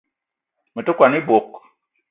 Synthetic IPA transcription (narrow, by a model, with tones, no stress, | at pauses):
mə˨to˦kwa˨ni˦bo˨k